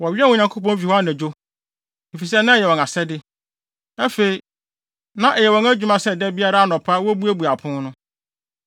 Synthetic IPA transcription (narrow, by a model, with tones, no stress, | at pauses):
wɔ˨ɥɪ˦ɛ˦wɔ̃˨ɲã˨ŋkʰo˦pɔ̃˦n˦f̬i˨hɔ˦a˦næ̃˨d͡ʑo˦ | e˨fi˨s̬ɛ˦nã˦˨jɛ˨wɔ̃˨na˨sɛ˦dɪ˦ | æ˦fe˨i˨ | nã˦ʔɛ˨jɛ˨wɔ̃˨ŋæ˦d͡ʑᶣu˨mã˦sɛ˦˨dɛ˦bi˦a˦ɾa˦a˦nɔ̃˨pʰa˦wɔ˦bu˦æ˦bu˨a˨pʰʊ̃˦nʊ̃˦